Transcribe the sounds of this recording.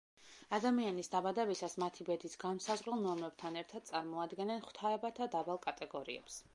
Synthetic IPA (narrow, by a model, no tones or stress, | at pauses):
ad̪amianisd̪abad̪ɛbisasmat̪ʰibɛd̪isɡansazʁɾɛlˠnɔmɾɛb̥t̪ʰanɛɾt̪ʰad̪̚t̪sʼaɾmɔad̪ɡɛnɛnχwt̪ʰaɛbat̪ʰad̪abalˠkʼat̪ʼɛɡɔɾiɛ̰ps